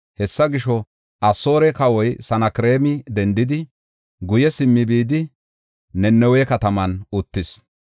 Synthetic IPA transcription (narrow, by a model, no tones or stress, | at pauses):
hɛsːɐɡɪʃɔ | ʔɐsːo̞ːɾɛkɐwɔjsɐnɐkɪɾe̞ːmɪd̪ɛnd̪ɪd̪ɪ | ɡʊjɛsɪmːɪbiːd̪ɪ | nɛnːɛwɛkɐt̪ɐmɐnʊt̪ːɪs